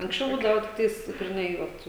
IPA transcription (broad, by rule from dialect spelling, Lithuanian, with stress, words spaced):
ɐŋksʲˈt͡ʃʲɛʊ ˈbuːdɐʋɐ tʲɪkˈtɐɪs ɡrʲɪˈnɐɪ ˈʋɐt